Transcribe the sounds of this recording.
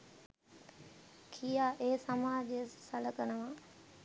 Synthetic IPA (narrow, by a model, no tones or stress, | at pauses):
kʰijaːʔeːsɐmaːd͡ʑesɐləkənəʋãː